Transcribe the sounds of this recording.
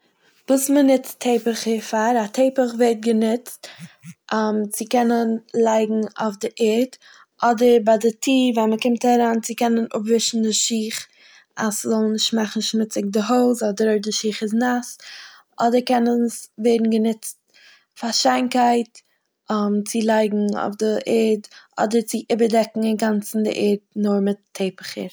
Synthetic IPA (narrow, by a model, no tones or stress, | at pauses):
buːsmənɪt͡stʰːeɪpəχəɾfaɾatʰeɪpəχvɛɾt̚ɡənɪt͡stʔmt͡sɪkɛnənlˠaɪɡŋ̩a̰ʊfdɪʔɪɾt | ʔɔdəɾbadɪtʰiːvaməkɪmtaɾaːnt͡sɪkɛnənʊ̰pvɪʃn̩dɪʃiːχ | a̰szɔlˠnɪʃtmaχn̩ʃmɪt͡sɪk̚dɪɦoʊzɔdəɾoɪdɪʃiːχɪznas | ʔɔdəɾkɛnənsvɛːdn̩ɡənɪt͡st | faʃaɪnkaɪt | mt͡sɪlˠaɪɡŋ̩o̰ʊfdɪʔɛɾdʔɔ̰dəɾt͡sɪʔɪbəɾdɛkŋ̩ɪnɡant͡sn̩dɪ̰ʔɛːɾtnʊɾmɪtʰːeɪpəχə̰ɾ